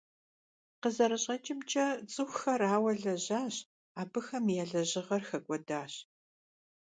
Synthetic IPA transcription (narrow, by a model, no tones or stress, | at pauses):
qəzɐɾɐɕʼɐt͡ʃʼɪmt͡ʃʼɐt͡sʼɨxʷxɐraːwɐɮɐʑaːɕ | aːbɨxɐmjɛɮɐʑɪʁɐrxɐɡʷʼɔdaːɕ